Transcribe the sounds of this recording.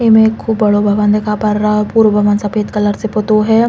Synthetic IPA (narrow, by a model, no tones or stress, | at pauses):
emẽkʰːubːɐɽobʱɐʋənd̪ɪkʰaːpɐɾapuːɾʋbʱɐʋənsɐpeːt̪kɐləɾsepot̪oɦɛː